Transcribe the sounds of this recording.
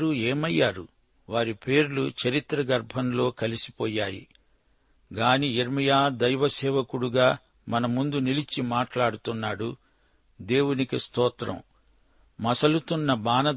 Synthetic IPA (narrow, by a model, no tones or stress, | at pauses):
ɾueːmɐjːaːɾu | ʋaːɾipe̞ːɾulut͡ʃɐɾit̪ɾɐɡɐɾbʱɐnlo̞ːkɐlisi̥pɔːjaːjḭ | ɡaːniiɾmɐjaːd̪ɐjʋɐsɛːʋɐkuɽuɡaː | mɐnɐmːund̪unilit͡ʃimaːʈlaːɽut̪unːaːɽu | d̪e̞ːwunikist̪ɔːt̪ɾɐ̰m | mɐsɐlut̪unːɐbaːnɐ